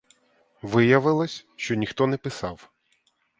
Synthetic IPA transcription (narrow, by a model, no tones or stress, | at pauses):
ʋɪjɐʋɪlˠɐsʲʃt͡ʃɔnʲixt̪ɔnɛpɪsɑw